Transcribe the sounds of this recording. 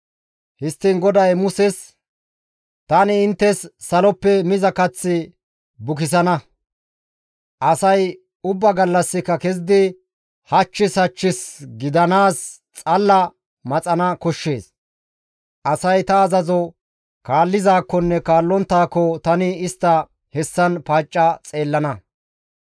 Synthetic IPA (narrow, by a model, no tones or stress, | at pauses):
hɪst̪ːɪnɡɔd̪ɐjmʊsɛs | t̪ɐnɪɪnt̪ːɛsːɐlɔpːɛmɪzɐkɐt͡sːɪ | bʊk̬ɪs̬ɐnɐ | ʔɐsɐj | ʊbːɐɡɐlːɐsːɪkːɐkɛz̬ɪd̪ɪ | hɐt͡ʃːɪsɐt͡ʃːɪsɡɪd̪ɐnaːs | t͡sʼɐlːɐ | mɐt͡sʼɐnɐkɔʃːe̞ːs | ʔɐsɐjt̪ɐːzɐzɔ | kaːlːɪzaːkːɔnːɛkaːlːɔnt̪ːaːkːɔt̪ɐnɪɪst̪ːɐ | hɛsːɐnpaːt͡ʃʼːɐt͡sʼe̞ːlːɐnɐ